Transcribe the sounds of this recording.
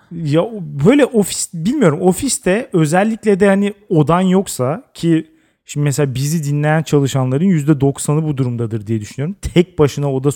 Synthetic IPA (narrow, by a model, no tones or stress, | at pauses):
jabø̞jlʲɛʔo̞fi̥sbilʲmijo̞ɾumo̞fist̪ʰɛø̞zɛlʲːiclʲɛd̪ɛhanio̞d̪anjo̞ksacʰi | ʃimɛseaːbizid̪inlʲe̞jænt͡ʃʰalˠɯʃanlˠaɾɯnjyzd̪ɛd̪o̞ksanɯbud̪uɾumd̪ad̪ɯɾd̪ijɛd̪yʃynyjo̞ɾumt̪ʰɛc̚baʃɯnao̞d̪a